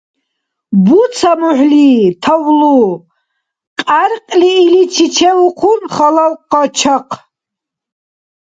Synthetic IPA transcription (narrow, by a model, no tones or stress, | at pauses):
but͡sʰamuħlit̪ʰawlu | qʼaɾqʼliːlit͡ʃʰit͡ʃʰɛluqʰunχalawqɔt͡ʃʰaqʰ